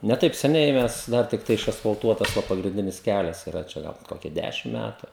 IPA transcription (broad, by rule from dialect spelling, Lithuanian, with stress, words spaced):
nʲɛ ˈtɐɪp sʲɛˈnʲɛɪ ˈmʲɛs ˈdɐr tʲɪkˈtɐɪ ɪʃɐsfɐlˠˈtuɔtɐs ˈʋɐ pɐɡrʲɪnʲˈdʲɪnʲɪs ˈkʲælʲɛs iːˈrɐ ˈt͡ʃʲɛ ˈɡɐlˠ ˈkoːkʲɛ ˈdʲæʃʲɪm ˈmʲætʊ